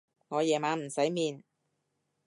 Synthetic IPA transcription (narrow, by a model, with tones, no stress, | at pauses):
ŋɔː˨˧jɛː˨˩maː˨˧˥m̩˨˩sɐ˨˥jmiː˨˧n